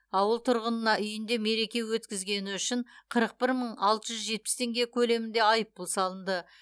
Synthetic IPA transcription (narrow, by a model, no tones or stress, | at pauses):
ɑwəlˠt̪ʰʊɾʁənənɑʔʏjɪnd̪e̞me̞ɾe̞kʲe̞wɵt̪kʲɪzɡʲe̞nɪʏʃɪɴqʰəɾəq̚pɪɾməɴɑlˠt̪əʒʏzʒe̞t̪̚pɪ̥st̪ʰe̞ŋɡʲe̞kʲʰɵle̞mɪnd̪e̞ɑjəp̚ːʊlˠsɑlˠənd̪ə